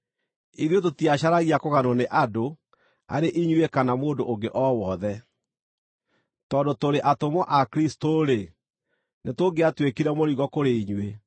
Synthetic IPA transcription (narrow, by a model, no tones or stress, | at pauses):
iðjot̬otiaɕaɾaɣiakoɣanoneʔado | a̰ɾeʔiɲwekanamoːndoʔoŋɡeʔɔwɔðɛ | tɔndotoɾeʔatomɔʔakɾistoɾe | netoɡeatwekiɾɛmoɾiɣɔkoɾeiɲwe